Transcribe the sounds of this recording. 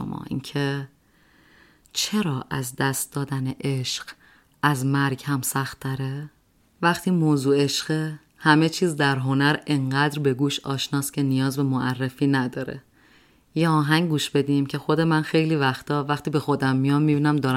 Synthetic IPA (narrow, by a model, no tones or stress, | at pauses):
o̰mɒ̰ːḭncʰe | t͡ʃʰe̞ɾɒːʔæzd̪æst̪̚d̪ɒːd̪æneʔeʃɢ̥ | æzmæɾɡhæmsæxt̪ʰːæɾe | væχt̪ʰiːmoːzuːe̞ʃɢ̥e | hæmet͡ʃʰiːzd̪æɾɦo̞næɾe̞ɴɢæːd̪ɾbe̞ɡuːʃɒ̰ːʃnɒːscʲʰe̞nijɒːzbe̞moʔærːefiːnæd̪ɒːɾḛ | jeɒːɦæŋɡuːʃbe̞d̪iːmcʰe̞xo̞d̪e̞mænxe̞jliːvæxt̪ʰɒːvæxt̪iːbe̞xo̞d̪æmːijɒmːibiːnæmd̪ɒːɾæ